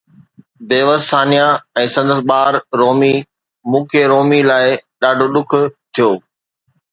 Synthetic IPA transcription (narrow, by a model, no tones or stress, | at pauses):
beːʋəssaːnijãɛ̃ːsɐ̃nd̪əsɓaːɾɾoːmi | mũːkʰeɾoːmilaːɪɗaːɖʱoɗʊkʰʊ̆t̪ʰijoː